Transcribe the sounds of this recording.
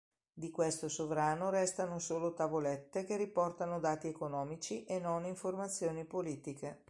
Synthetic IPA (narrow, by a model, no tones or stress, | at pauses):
d̪ikwest̪osovɾaːnoɾɛst̪anosoːlot̪avolɛt̪ːekeripɔrt̪anod̪aːt̪iekonɔːmit͡ʃiʔenːoniɱformat̪sːjoːnipoliːt̪ike